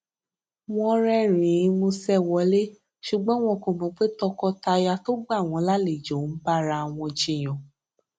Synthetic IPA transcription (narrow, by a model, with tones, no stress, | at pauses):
w̃ɔ̃˧ɾɛ˦˨ɾ̃ĩ˨˦mũ˧sɛ˦˨wɔ˨˦le˦ | ʃu˨ɡ͡bɔ̃˦w̃ɔ̃˧ko˦˨mɔ̃˨˦k͡pe˦tɔ˧kɔ˧ta˧ja˧to˦ɡ͡ba˦˨w̃ɔ̃˧la˦le˨d͡ʒo˨˦ba˦ɾa˧˨w̃ɔ̃˧d͡ʒe˧˦˨j̃ɔ̃˨